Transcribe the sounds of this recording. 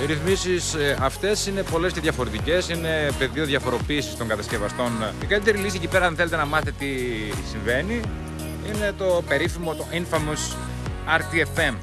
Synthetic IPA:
iɾiθmisisɐft̪e̞sine̞po̞lesceðʝɐfo̞ɾe̞t̪ice̞sine̞pe̞ðio̞ðʝɐfo̞ɾo̞piːsist̪o̞ŋɡɐt̪ɐsce̞vɐst̪o̞nikɐlit̪̬e̞ɾilisiecipe̞ɾɐɐnθelet̪e̞nɐmɐθet̪et̪isiɱve̞ni | ine̞t̪o̞pe̞ɾifimo̞t̪oiɱfɐmus | ɐɾt̪iefe̞m

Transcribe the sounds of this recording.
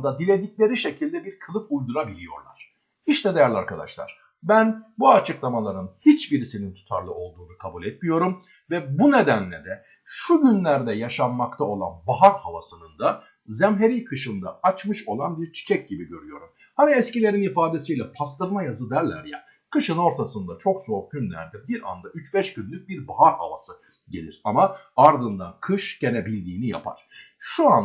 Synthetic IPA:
d̪ad̪ilʲe̞d̪iclʲe̞ɾiʃecʰilʲd̪ɛbiɾkʰɯlˠɯfujd̪uɾabilʲijo̞̰ɾlˠa̰ɾ̥ | hiʃt̪ɛd̪ejæɾlʲiaɾkʰad̪a̰ʃlˠa̰ɾ̥ | bænbuat͡ʃʰɯklˠamalˠaɾɯnhit͡ʃbiɾisinint̪ʰu̥t̪ʰa̰ɾlˠɯo̞lˠd̪uːnukʰabulʲɛt̪̚mijo̞ɾum | vɛbune̞d̪ænlʲɛd̪ɛ | ʃuɟynlʲæɾd̪ɛjaʃamːakt̪ʰao̞lˠa̰nbaɦaɾhava̰sɯnɯnd̪a | zɛmɦe̞ɾijkʰɯʃɯnd̪a̰at͡ʃmɯʃo̞̰lˠanbiɾt͡ʃʰi̥t͡ʃʰɛc̚ɟibiɟøɾyjo̞ɾum | haniɛscilʲe̞ɾinifaːd̪e̞sijlʲɛpʰast̪ɯɾmajazɯd̪æɾlʲæ̰ɾja̰ | kʰɯʃɯno̞ɾt̪ʰasɯnd̪at͡ʃʰo̞kzo̞ːɟynlʲæ̰ɾd̪ɛbiɾa̰nd̪ayt͡ʃbɛʃɟynlʲyc̚ʲbiɾbaɦaɾha̰va̰sɯ | ɟe̞lʲiɾ̥ama | aɾd̪ɯnd̪a̰nkʰɯʃɟ̥e̞nebilʲd̪iːnija̰pʰa̰ɾ̥ | ʃuan

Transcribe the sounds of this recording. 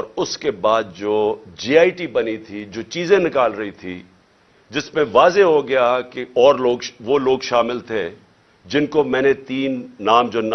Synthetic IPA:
ɔːɾʊskebaːd̪̚d͡ʒoːd͡ʒiːaːiʈibɐnit̪ʰid͡ʒoːt͡ʃiːzẽnɪkaːlɾɐɦit̪ʰḭ | d͡ʒɪsmẽʋaːzeɦoɡɐjakeɔːɾloːɡʃʋoloːɡʃaːmɪlt̪ʰe | d͡ʒɪnkomɛ̃ːnet̪iːnːaːmd͡ʒoːn

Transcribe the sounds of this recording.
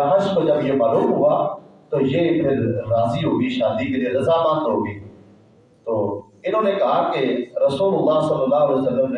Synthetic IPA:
aɦəsbəd͡ʑɐbjomaːluːmɦʊat̪ojeɪkeɾaːziɦoːɡiʃaːd̪iːkd͡ʑeɾɐzamãk̪ɾoːɡiː | t̪oː | ɪnõnẽkɐɦakeɾɐsuːlʊlːaːɦsɐlːəlːaːɦʊljsɐlːəmne

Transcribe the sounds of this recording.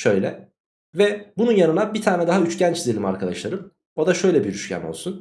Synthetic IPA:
ʃø̞jlʲɛ | vɛbununjanɯnabit̪ʰaːnɛd̪aɦayt͡ʃɟænt͡ʃizelʲima̰ɾkʰad̪aʃlˠaɾɯm | o̞d̪aʃø̞jlʲɛbiɾyʃcʰæ̰no̞̰lˠsun

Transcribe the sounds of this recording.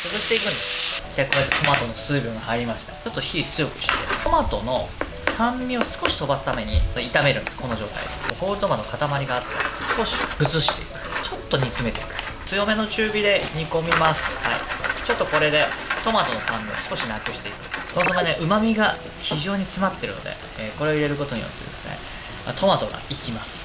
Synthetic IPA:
sɨzɨɕi̥t̪e̞ikɯ̟̃nd̪est̪eko̞et̪ːet̪o̞mat̪o̞no̞sɨːbʲoŋahaiɾʲimaɕi̥t̪ḁt͡ɕo̞t̪ːoçit͡sɨjo̞kɯ̟̥ɕi̥t̪et̪ʰo̞mat̪o̞no̞ | sãmʲbʲio̞sɨ̥ko̞ɕi̥t̪o̞basɨ̥t̪ame̞ɲ̟ḭit̪ame̞ɾɯ̟nsɨ̥ko̞no̞ʑo̞̰ːt̪a̰ḭd̪eohoːɾɯt̪o̞manokat̪amaɾʲiɡaːt̪ːesɨ̥ko̞ɕi̥ɡɯ̟t͡sɨɕi̥t̪e̞ikɯ̟̥t͡ɕo̞t̪ːo̞ɲ̟it͡sɨme̞t̪e̞ikɯ̥ | t͡sɨjo̞me̞no̞t͡ɕɨːbʲid̪e̞ɲ̟iko̞mʲimasɨ̥haḭt͡ɕo̞t̪ːoko̞ɾe̞d̪e̞t̪o̞mat̪o̞no̞sãmːʲio̰sɨ̥ko̞ɕimʲakɯ̟ɕi̥t̪e̞ikɯ̟ɡ̪ozomaneʔɯ̟mamʲiɡa | çiʑo̞ːɲ̟it͡sɨmat̪ːe̞ɾɯ̟no̞̰d̪e̞̰ | eːko̞ɾe̞oiɾe̞ɾɯ̟ko̞t̪o̞ɲ̟ḭjo̞̰t̪ːe̞d̪e̞sɨ̥nḛ | at̪ʰo̞mat̪o̞ɡa̰ikʲimasɨ̥

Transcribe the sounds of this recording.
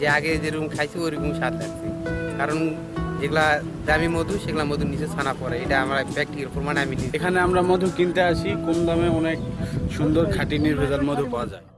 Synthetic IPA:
d͡ʑeaɡed͡ʑeɾumkʰajsʰioɾikumʃat̪ʰlaksʰikaɾon | d͡ʑeɡula | d̪amimod̪ʱuʃeɡlamod̪ʱunisosʰanapɔɾeejʈaamɾabɛk̚ʈieɾpɔɾmaneaminiekʰaneamɾamod̪ʱukint̪eat͡ɕʰikomd̪ameɔnekʃund̪oɾkʰaʈiniɾbʱedaɾmod̪ʱupawad͡ʑae

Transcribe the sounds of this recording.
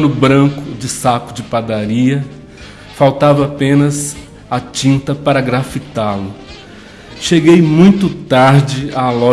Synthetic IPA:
nʊbɾɐ̃kʊd͡ʒɪsakʊd͡ʒɪpad̪aɾiɐ | fawt̪avɐːpẽnɐz | at͡ʃĩnt̪ɐpaɾɐɡɾafit̪alʊ | ʃeɡejmũj̃t̪ʊt̪aɾd͡ʒɪalɔ

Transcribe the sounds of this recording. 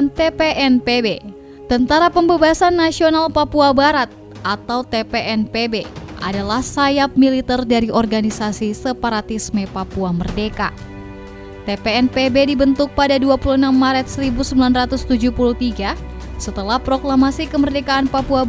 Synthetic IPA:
nt̪epeʔɛnpebe | t̪ənt̪aɾapəmbabasanːasionalpapuabaɾat̪̚ | ʔat̪awt̪epeʔɛnpebeʔa̰dalahsajap̚milit̪ɛrdaɾiʔɔrɡanisasisəpaɾat̪ismepapuamərdeka | t̪epeɛnpebedibənt̪uk̚padaduapuluənamːaɾɛt̪̚səɾibusəmbilanrat̪ust̪ud͡ʒuhpulut̪iɡasət̪əlahpɾoklamasikəmərdekaːnpapua

